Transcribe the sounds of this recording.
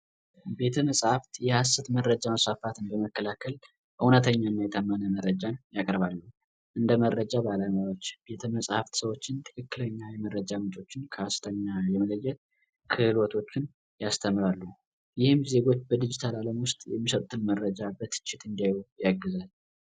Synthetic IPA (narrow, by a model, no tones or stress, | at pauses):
be̞t̪ʰəməsʼhaft̪jɛhasət̪məɾːəd͡ʒaməsfafat̪ʰɨnbəməkːəlakʰːəl | ʔɨwnət̪ʰəɲːanːajɛt̪ʰəmːənəməɾəd͡ʒanjakʼɾbalːu | ʔɨnd̪əməɾːəd͡ʒabalamawot͡ʃːb̥e̞t̪ʰəməsʼhaft̪səwo̞t͡ʃːɪnt̪ʰɨ̥kʰɨkːɨləɲːajɛməɾːəd͡ʒamɨt͡ʃʼo̞t͡ʃːɪnkʰəast̪ʰəɲːajɛmələjːɛt̪̚ | kʰɨhlwɔt̪ʰo̞t͡ʃːɪn | jast̪ʰəmɾalːu | jɪhɨmze̞ɡo̞t͡ʃːbəd̪id͡ʒit̪ʰalaləmwʊst̪ʼjɛmːisət̪ʼut̪ʰɨnməɾəd͡ʒabət̪ʰːɨ̥t͡ʃːɪt̪ɨnd̪iajjaɡːɨzal